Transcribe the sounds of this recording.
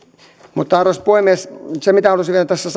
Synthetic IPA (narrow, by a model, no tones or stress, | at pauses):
mut̪ːɑɑrospoimessemit̪æhɑlusiʋielæt̪æsːæs